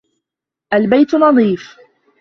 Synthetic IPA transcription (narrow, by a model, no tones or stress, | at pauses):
ʔalbajt̪nɑðˤiːf